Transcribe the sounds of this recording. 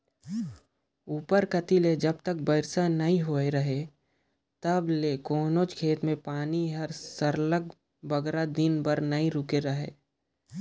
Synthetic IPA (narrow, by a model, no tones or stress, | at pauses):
uːpəɾkət̪iled͡ʒəb̚t̪ək̚bəɪɾsanɐɦĩɦoːeɾɐɦe | t̪əblekoːnoːt͡ʃkʰeːt̪mẽpaːniɦɐɾsəɾləɡ | bəɡɾad̪ɪnbəɾnɐɦĩɾʊkeɾɐɦḛː